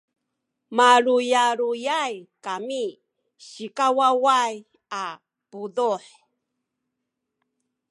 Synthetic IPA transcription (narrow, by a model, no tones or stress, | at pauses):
maɾujaɾujajkami | ɕikawawaj | a | puðuħ